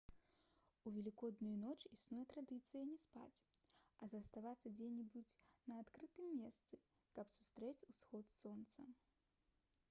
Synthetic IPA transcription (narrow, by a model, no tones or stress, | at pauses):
uvʲɛlʲikɔd̪nujunɔt͡ʂisnujɛt̪ɾad̪ɨt̪sɨjɐnʲɛspa̰t͡sʲɐzɐst̪avat̪sːɐd͡zʲenʲibut͡sʲnɐːt̪kɾɨt̪ɨmːʲɛst̪sɨ | kɐpsu̥st̪ɾɛt͡sʲusxɔt̪sɔnt̪sɐ